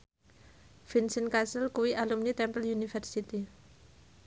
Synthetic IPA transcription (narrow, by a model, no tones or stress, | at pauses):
finsənkasəlkuwiʔalumnit̪ɛmpəljunifɛrsit̪i